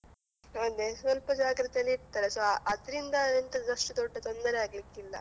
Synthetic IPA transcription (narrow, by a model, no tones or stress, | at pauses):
ond̪esʋɐlpɐd͡ʒaːɡɾɐt̪ejɐlːiiʈt̪aːɾesoʔɐd̪ɐɾind̪ɐent̪ɐnɐʂʈut̪oɖːet̪o̞nd̪ɐɾeaːɡlikːilːɐ̰